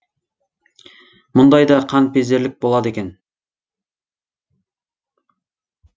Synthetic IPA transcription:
mʊnd̪ɑjd̪ɑqʰɑnpezeɾlʲɪk̚ʲbolˠɑd̪ekʲen

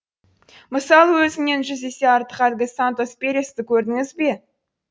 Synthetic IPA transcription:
məsɑlˠwɵzɪne̞nʒʏze̞se̞ɑɾt̪ə̥qælɡʲɪsant̪o̞spʲe̞ɾʲest̪ɪkʲʰɵɾd̪ɪŋɪzbe̞

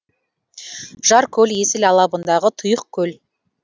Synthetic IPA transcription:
ʒɑɾkʲʰɵle̞sɪlɑlˠɑbənd̪ɑʁət̪ʰʊjəq̚kʲʰɵl

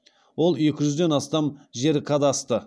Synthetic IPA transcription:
wo̞lˠje̞kʲɪʒʏzd̪e̞nɑst̪ɑmʒe̞ɾkʰɑd̪ɑst̪ə

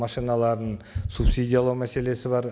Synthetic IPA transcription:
mɑʃijnɑlˠɑɾd̪ənsupsijd̪ʲijalˠɑwmæse̞le̞sɪbɑɾ

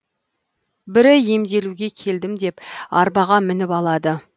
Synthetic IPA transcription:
bɪɾɪje̞md̪e̞luɡʲe̞kʲʰe̞ld̪ɪmd̪e̞pɑɾbɑʁɑmɪnɪpɑlˠɑd̪ə

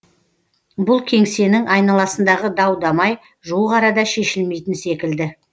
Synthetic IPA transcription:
bʊlˠkʲʰe̞ŋse̞nɪŋɑjnɑlˠɑsənd̪ɑʁəd̪ɑwd̪ɑmɑj | ʒoʁɑɾɑd̪ɑʃe̞ʃɪlme̞jt̪ɪnse̞kʲɪld̪ɪ

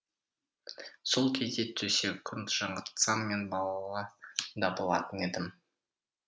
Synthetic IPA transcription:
solˠkʲʰezd̪e̞t̪ʰːɵsewkʲʰʏnt̪ʒ̥ɑɴəɾt̪sɑmːe̞nbɑlˠɑlˠɑd̪ɑbəolˠɑ̰t̪əne̞d̪ɪm

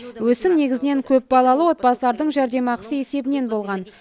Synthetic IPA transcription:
wɵsɪmne̞ɡʲɪzɪne̞ŋkʲʰɵp̚bɑlˠɑlˠəwo̞t̪pɑsəlˠɑɾd̪əɴʒæɾd̪e̞mɑqəsəe̞se̞bɪne̞nbo̞lˠʁɑn

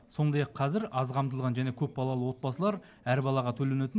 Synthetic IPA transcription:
so̞nd̪ɑjɑqʰːɑzɪɾɑzqʰɑmt̪̬əlˠʁɑnʒæne̞kʲʰɵp̚bɑlˠɑlˠəwo̞t̪̚bɑsəlˠɑɾ | æɾbɑlˠɑʁɑt̪ʰɵlenet̪ɪ

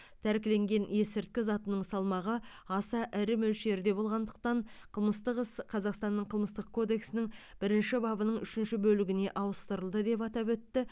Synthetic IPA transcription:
t̪ʰæɾkʲɪle̞ŋɡʲe̞nje̞sɪɾt̪̚kʲɪzɑt̪ənəɴsɑlˠmɑʁə | ɑsɑʔɪɾɪmɵlʃe̞ɾd̪e̞bo̞lˠʁɑnd̪əq̚t̪ɑɴqʰəlˠməst̪əqəsqʰɑzɑqst̪ɑnːəɴqʰəlˠməst̪əq̚kʰo̞d̪e̞ksɪnɪŋb̥ɪɾɪnʃɪbɑbənəɴʏʃɪnʃɪbɵlɪɡʲɪne̞ʔɑwəst̪əɾəlˠd̪əd̪e̞pɑt̪ɑpwɵt̪ːɪ

